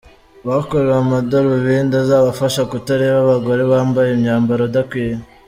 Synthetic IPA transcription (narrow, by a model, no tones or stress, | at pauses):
βakoɾewamadoɾoβiːndazaːβafaʃakutaɾeβaβaɡo̞ɾe̞βaːmbajemɲaːmbaɾodakwiːje